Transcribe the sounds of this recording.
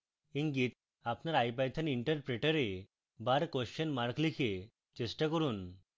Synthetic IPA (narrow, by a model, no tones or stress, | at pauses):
iŋɡit̪̚ | apnaɾajp̬ajt̪ʰəniɳʈəɾpɾeʈəɾe | baɾkɔsɕənmaɾklikʰe | t͡ɕesʈakəɾuːn